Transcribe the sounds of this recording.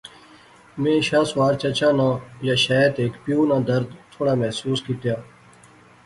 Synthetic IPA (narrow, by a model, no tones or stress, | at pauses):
mẽːɕaːswaːɾt͡ɕɐt͡ɕʰaːnãːjaːɕaːt̪eːkpijuːnãːd̪ɐɾd̪t̪ʰːoːɽaːmɛɦsuːskiʈ̪jaː